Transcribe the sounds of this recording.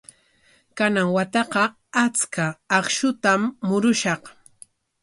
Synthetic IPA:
kanaŋwat̪ɑqɑ | at͡skaːχʃʊt̪amːʊɾʊʃɑq

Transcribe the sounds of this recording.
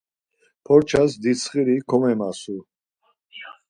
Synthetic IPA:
pʰɔɾt͡ʃʰas̬d̪isʰχiɾikʰɔmɛmasu

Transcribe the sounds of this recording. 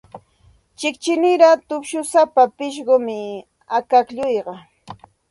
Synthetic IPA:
t͡ʃɪkt͡ʃɪnɪɾat̪ʊpʃʊsapapɪʃ̬ɢomɪ | akakʎʊjɢɑ

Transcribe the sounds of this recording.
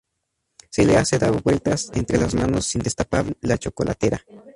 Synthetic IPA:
seleased̪aβwelt̪asent̪ɾelasmanosːind̪est̪apaβlat͡ʃokolʔa̰t̪eɾa

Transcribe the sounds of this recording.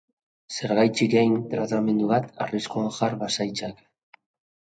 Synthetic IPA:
se̞ɾɣajt͡siɾejnt̪ɾat̪ame̞nd̪uβat̪a̰riskoaŋxaɾβasajt͡sak

